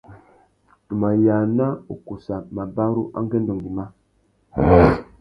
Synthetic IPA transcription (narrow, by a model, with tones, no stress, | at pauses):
tu˨ma˨ja˨na˦ṵ˨ku˨sa˨ma˨ba˦ɾu˦ʔa̰˦ŋɡe˦n˦do˨ŋɡi˨ma˦